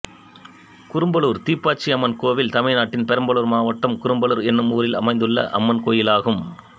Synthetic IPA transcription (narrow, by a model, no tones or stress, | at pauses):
kʊɾɯmbɐɭuːɾt̪iːpːaːt͡ʃiɐmːɐnkoːʋɪlt̪ɐmɐɪnaːʈːɪnpɛɾɐmbɐɭɯɾmaːʋɐʈːɐmkʊɾɯmbɐɭɯɾɛnːɯmuːɾɪlɐ̰mɐɪnd̪ɯɭːɐ̰ʔɐ̰mːɐnkoːjɪlaːɣɯm